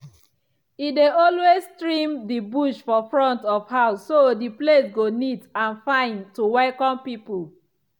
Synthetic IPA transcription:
ideɔlwestɹĩmdibuʃfɔfɹɔ̃ntɔfhaʊsːodiplesɡonitãnfãɪ̃ntuwaɪkɔ̃npipul

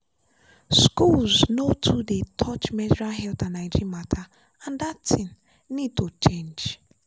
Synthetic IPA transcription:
skulznotʰudetʰɔt͡ʃmɛzɾaɦɛltanaid͡ʒimatʰa | ãndatʰĩn̩ | nid̚tot͡ʃẽnd͡ʒ

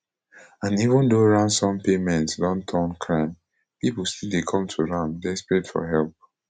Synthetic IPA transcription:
ãnivɔ̃ndoɹãnsɔ̃mpemɛ̃ntsdɔ̃ntʰɔ̃nkʰɹãɪm | pipulstildekʰɔ̃mtʰuɹãmdespɹedfɔ̰ɦɛlp̚

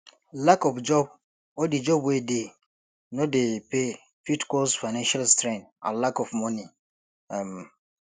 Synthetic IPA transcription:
lakɔfd͡ʒɔb̚ | ɔdid͡ʒɔbwede | nõdepe | fitkɔsfaɪnãnʃalstɾɛ̃ntã̰lakɔfmɔ̃nĩ | m

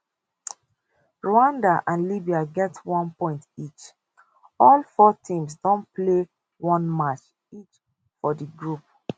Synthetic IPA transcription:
ɹoãndaʔãnlibiaɡɛtwɔ̃npɔ̃ɪ̃ntit͡ʃ | ɔlfɔtʰĩms̬dɔ̃nple | wɔ̃nmat͡ʃ | it͡ʃ | fɔdiɡɹup̚

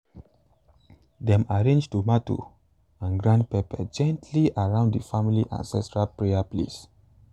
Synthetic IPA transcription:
dɛ̃maɹẽnd͡ʒtumatṵ | ãnɡɹãndpepɛd͡ʒɛ̃ntʰliʔaɹãʊ̃nddifãmiliʔã̰nsɛstɹalpɹeaplḛs

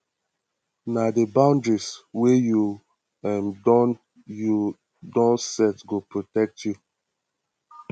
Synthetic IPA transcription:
nadebãʊ̃ndɹisweju | ɛ̃n | ju | dɔ̃nsɛtɡopɹotɛk̚tʰju

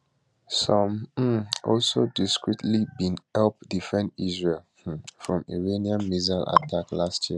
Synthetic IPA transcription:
sɔ̃m̩ | ɔlsodiskɹitʰlibĩnhɛlp̚difɛ̃ndizɹel | fɹɔ̃mḭɹeniãnmizalʔa̰tʰaklastʰji

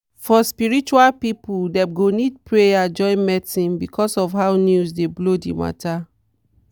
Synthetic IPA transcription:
fɔspiɹit͡ʃualpipuldɛɡonid̚pɹejad͡ʒɔ̃ɪ̃nmɛtĩnbikʰɔsɔfɦawnjusdeblodḭma̰ta

